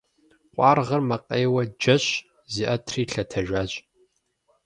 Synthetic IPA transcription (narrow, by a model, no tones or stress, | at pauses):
qʷʼɑːrʁɐrmɐqʼeːwɐd͡ʒɐɕ | ziːʔɐtʰriːɬɐtʰɐʒʷaːʑʼ